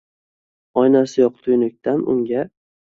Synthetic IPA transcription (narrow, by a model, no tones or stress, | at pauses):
ɒjnasɪjɒqt̪ʰʊjnɪk̚ʲt̪ʰanʊ̰ŋɡʲa